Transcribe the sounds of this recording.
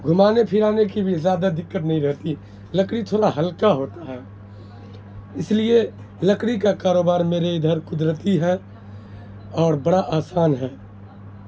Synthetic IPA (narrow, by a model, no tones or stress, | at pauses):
ɡʱʊmaːnepʰɪɾaːnekibʱizjaːd̪ad̪ɪkːət̪nəɦĩɾɛɦt̪i | ləkɽit̪ʰoːɾaɦɐlkaɦoːt̪aɦɛː | ɪslie | ləkɽ̃ikakaːɾoːbaːɾmeːɾeɪd̪ʱəɾkʊd̪ɾət̪iɦɛ | ɔːɾbəɽaʔaːsaːnɦɛː